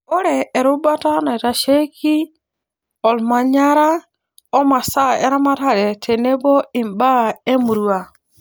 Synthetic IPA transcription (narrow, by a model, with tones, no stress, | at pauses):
o˦ɾɛː˨ɾo˦ba˦ta˦na˨i˨ta˨ʃe˦ki˦ | ɔ˨lma˨ɲa˦ɾa˦ | ɔ˦ma˨sa˦ɛ̰˦ɾa˦ma˦ta˦ɾɛ˨tʰe˨ne˦bɔ˦i˨mba˦e˦mu˨ɾwa˨